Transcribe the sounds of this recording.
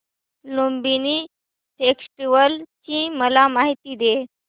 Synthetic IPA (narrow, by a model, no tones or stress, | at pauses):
lombini | ʈeksʈiʋəlt͡ɕĩməlamaɦit̪iːd̪e